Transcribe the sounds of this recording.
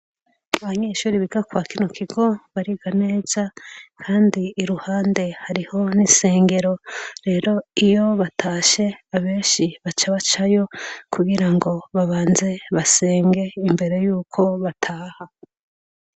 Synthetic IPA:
aβaɲeːʃuːɾiβiɡakwaːkino̞kʰiɡo̞βaɾiɡane̞ːz̥akʰaːndiːɾuhaːnde̞haɾiho̞nise̞ːŋɡe̞ɾo̞ɾe̞ːɾo̞ijo̞βatʰaːʃe̞aβe̞ːnʃiβat͡ʃaβat͡ʃajo̞kʰuɡiɾaŋɡo̞βaβaːnze̞βase̞ːŋɡe̞imbe̞ɾe̞juːkʰo̞βatʰaːha

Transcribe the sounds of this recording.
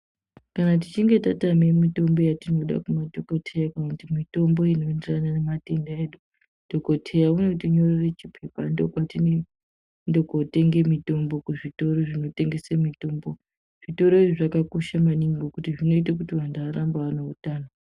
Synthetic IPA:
kanat̬it͡ʃiŋɡe̞tatame̞mito̞mbo̞jatino̞ɗa̰kumadʱokotʰejakanakutimito̞mbo̞ino̞enderananemate̞ndaeːɗu | d̥ʱo̞kotʰejaunotiɲo̞reret͡ʃipʰe̞pandokwatine | ndokote̞ŋɡe̞mito̞mbo̞kuʐito̞ɾoʐino̞te̞ŋɡe̞semito̞ːmbo̞ | ʐ̥ito̞ɾo̞iiʐakakoʃamaniŋɡokutiʐino̞it̬ak̬utiʋandaaɾambaʋanoutaːno

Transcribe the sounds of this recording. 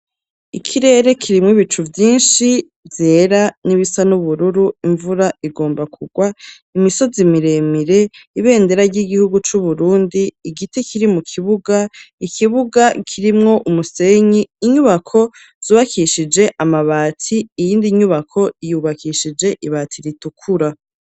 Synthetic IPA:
ikʰiɾe̞ːɾe̞kʰiɾimŋiβit͡ʃuvjiːnʃi | veɾaniβisanuβuɾuɾuiɱvuɾaiɡo̞ːmbakʰuɡwa | imiso̞zimiɾe̞miɾe̞iβe̞ːnde̞ɾaɾɟiɡihuɡut͡ʃuβuɾuːndiːɡitekʰiɾimukʰiβuɡaikʰiβuɡakʰiɾimŋo̞ʔumuse̞ɲiːɲuβakʰo̞ | z̥uːβakʰiʃid͡ʒe̞ʔamaβaːtʰiːjiːndiɲuβakʰo̞ijuːβakiʃid͡ʒe̞ʔiβaːtʰiɾitukʰuɾa

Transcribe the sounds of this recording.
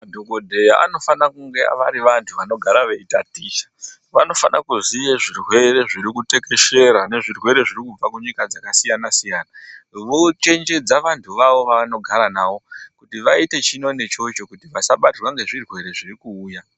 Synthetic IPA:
madʱokodʱe̞jaʔa̰no̞fanakuŋɡḛʋaɾiʋantʰuʋano̞ɡʱaɾaʋe̞itatiːʃḁ | ʋano̞fanʔa̰kuzijeʐirwe̞ɾe̞ʐiɾikute̞ke̞ʃe̞ɾane̞ʐirwe̞ɾe̞ʐirikufakuɲikad͡zakasijanasijaːnaʋo̞t͡ʃe̞nd͡ʒe̞d͡zaʋantʰuʋaʋo̞ʋano̞ɡʱaɾanaːʋokutiʋaite̞t͡ʃino̞ne̞t͡ʃo̞t͡ʃo̞kutiʋasaɓatirwaŋɡe̞ʐirwe̞ɾe̞ʐirikuːja

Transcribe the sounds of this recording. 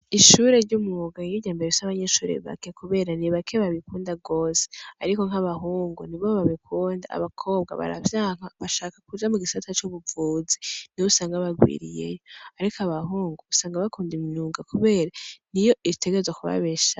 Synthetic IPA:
iʃuːɾe̞ɾɟumuoɡaiɲiɟaːmbeɾeisaβaɲe̞ʃuːɾḛβa̰ke̞kuβe̞ːɾaniβakʰeβaβikuːndaɡoːse̥aɾiko̞ŋ̥aβaɦuːŋɡuniβoβaβikʰuːnda̰a̰βakʰo̞ːbɡa̰βa̰ɾa̰vjaŋaβaʃaːkḁkud͡ʒamuɡisatat͡ʃuβuvuːzi̥niousaːŋɡaβaɡwḭːɾḭje̞̰joaɾikʰaβaɦuːŋɡuusaːŋɡaβakuːndiminuːŋɡakuβe̞ːɾanijo̞ʔiɾite̞ɡeɾzwakuβa̰βeʃa

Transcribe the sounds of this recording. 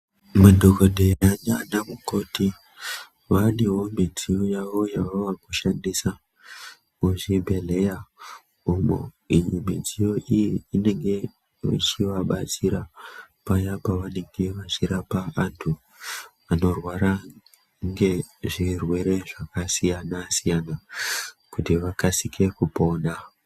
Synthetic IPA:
mudʱokodʱe̞aɲanamuko̞ti | ʋaneɦo̞mid͡zijojaʋo̞jaʋaʋakuʃandisa | uʐibʱe̞le̞ja | umo̰ | ijimid͡zijo̞ʔijiine̞ŋɡe̞ | ḭt͡ʃiʋaɓat͡siɾa | pajapaʋane̞ŋɡe̞ʋat͡ʃiɾapaantʰu | ano̞rwaɾa | ŋɡe̞ʐirwe̞ɾe̞ʐakasijanasijana | kutiʋakasikʰe̞kupo̞na

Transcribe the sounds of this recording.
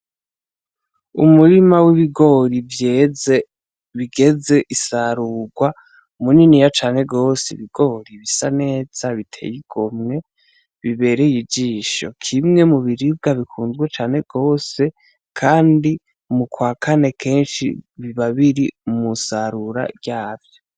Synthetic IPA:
ṵmuɾimawiβiɡo̞ːɾivjee | βiɡe̞ze̞ʔisaɾuːɡwa | muninijat͡ʃaːne̞ɡo̞ːseiβiɡ̥o̞ɾiβisane̞ːz̥aβitʰe̞̰jiɡ̥omŋe̞ | βiβe̞ɾejid͡ʒiʃo̰kʰimŋe̞muβiɾib̚ɡaβikʰuːnzɡwet͡ʃaːne̞ɡ̥o̞ːse̞ | kʰaːndi | mukwaːkʰane̞kʰe̞ːnʃḭβiβaβiɾimusaɾuɾa̰ɟaːvjo

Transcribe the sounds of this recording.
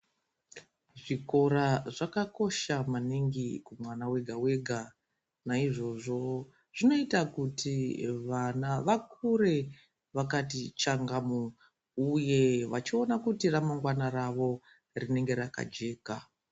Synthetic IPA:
ʐiko̞ɾaʐakako̞ʃamaniŋɡikumwanawe̞ɡʱawe̞ɡʱa | naiʐo̞ʐo̞ | ʐ̥ino̞itakutʰiʋanaʋakʰuɾe̞ | ʋakatit͡ʃaŋɡamu | uje̞ʋa̰t͡ʃio̞nakutiramaŋɡwanaraʋo̞ | rine̞ŋɡe̞ɾaka̰d͡ʒe̞ːka

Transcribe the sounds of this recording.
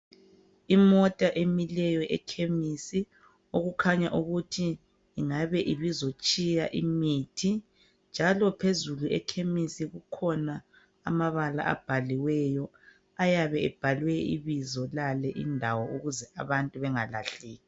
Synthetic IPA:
imɔtʼaʔemilɛjɔʔɛkʰemisi | oɣukʰaɲaʔuɣutʰiː | ŋaβɛʔiβizot͡ʃʼijaʔimitʰi | nd͡ʒʱalɔpʰezuluɛkʰemisiɣukʰɔna | a̰maβala̰ʔa̰b̥ʱaliwɛjɔ | ajaβɛɛb̥ʱalwɛḭβizɔlalɛʔḭndʱawɔuɣuzɛʔaβantʼuβɛŋala̰ɬiːɣi

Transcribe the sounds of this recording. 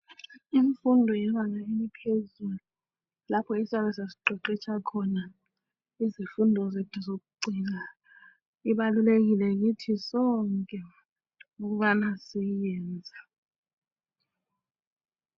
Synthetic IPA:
iɱfundʱɔjɛmanaemipʰezulu | lapʰɔisaɓɛsasi̥ǃʱɔǃɛt͡ʃʰakʰɔna | izifundʱɔzetʰuzok̬uɡ͡ǀʱina | iɓalulek̬ilɛk̬itʰisɔŋkʼɛ | uk̬uɓanasijɛːnd͡zʱa

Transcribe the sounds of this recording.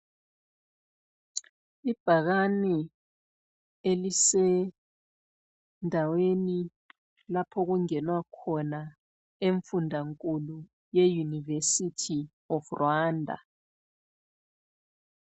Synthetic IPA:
ib̥ʱaɣani | elisɛ | ndʱaweni | lapʰɔɣuŋɛnwakʰɔna | eɱfundʱaŋkʼulu | jejunivesitʰi | ɔfrwaːndʱa̰

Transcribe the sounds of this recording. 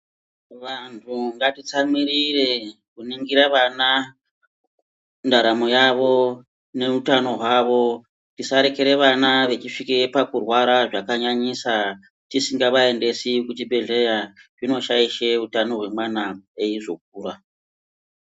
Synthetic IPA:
ʋantʰuŋɡatit͡samirire̞ | kuniŋɡiɾaʋana | ndaɾamo̞jaʋo̞ | ne̞utano̞ɦwaʋo̞ | tisaɾe̞ke̞ɾe̞ʋanaʋe̞t͡ʃiʂikepakurwaɾaʐakaɲaɲisa | tisiŋɡaʋae̞nde̞sikutibe̞ɮejaʐino̞ʃaiʃe̞utano̞ɦwe̞mwanaeiʐo̞k̚uːra

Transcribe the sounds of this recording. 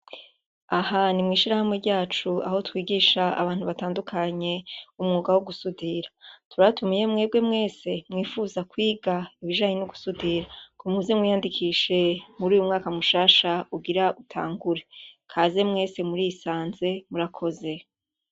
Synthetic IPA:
ahanimŋiːʃiɾahamŋe̞ɾɟaːt͡ʃua̰ho̞twiːɡiːʃaa̰βaːn̥huβataːndukʰaɲe̞umŋuːɡawoɡusudiɾḁtuɾatumije̞mŋe̞ːb̚ɡemŋe̞ːse̞mŋiːfuːzakwiːɡaiβiʒaːɲenoɡusudiɾakomuzemŋwijandikʰiːʃe̞muɾiːjumŋaːkamuʃaːʃauɡiɾautʰa̰ːŋɡuɾe̞kʰaːze̞mŋe̞ːse̞muɾisaːnze̞muɾakʰo̞ze̞

